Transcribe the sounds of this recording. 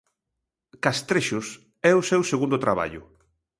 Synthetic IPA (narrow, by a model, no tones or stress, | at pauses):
kast̪ɾeʃʊs | ɛʊsɛwseɣund̪ʊt̪ɾaβa̰ʎʊ̰